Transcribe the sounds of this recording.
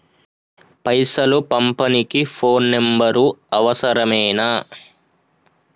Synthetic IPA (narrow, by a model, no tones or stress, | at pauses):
pɐjsɐlupɐmpɐnikipʰoːnːembɐɾuɐʋɐsɐɾɐmɛːna